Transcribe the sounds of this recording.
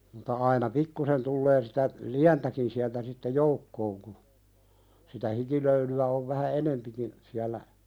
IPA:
mutɑ ɑinɑ pikːusen tulːeː sitæ liæntækin siæltæ sitːe joukːoːŋ ku sitæ hikiløylyæ oʋ ʋæhæ enempikin siælːæ

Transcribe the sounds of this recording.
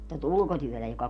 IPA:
tæt ulkotyøtæ jokɑ

